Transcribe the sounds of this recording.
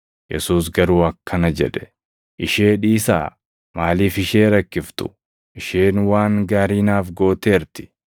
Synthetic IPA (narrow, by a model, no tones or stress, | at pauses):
jɛ̰suːs̬ɡɐɾuːɐkʰːɐnɐd͡ʒɛ̰ᶑɛ̥ | ʔɪʃeːᶑiːsa̰ː | maːliːfɪʃeːɾɐkːɪft̪ʊ̥̰ | ʔɪʃeːnwaːŋɡaːɾiːnaːfɡoːt̪e̞ːɾt̪ɪ̥